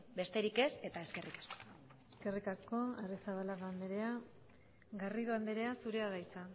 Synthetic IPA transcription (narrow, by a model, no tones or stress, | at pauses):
be̞st̪e̞ɾike̞se̞t̪ae̞ske̞rikḁsko | eske̞rikasko̞aresaβalaɾand̪eɾe̞a | ɣariðuand̪eɾe̞asuɾe̞aðajt͡sa